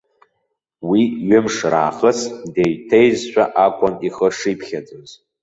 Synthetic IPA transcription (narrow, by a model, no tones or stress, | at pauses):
wiɥɪmʂra̰ːχəsdejtʰejzʃʷᶣaʔakʷʼaniχəʂipʰχʲad͡zʼɨmz